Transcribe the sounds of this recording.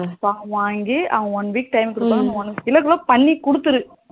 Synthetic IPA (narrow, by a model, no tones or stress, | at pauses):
paːʋaːŋɡiɐ̰ʋɐɐʋɔnʋiːk̚ʈɐɪmkːɾɯpaːnɐ̃ɔnɪlɐkːɯloːpɐɳːikʊɽɯt̪ːɯɾɯ